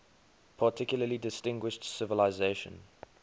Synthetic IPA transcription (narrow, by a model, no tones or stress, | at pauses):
pʰatʰɪkjʊləlidɪstɪ̃ŋɡwɪʃtsɪvəlaɪzeʃə̰̃n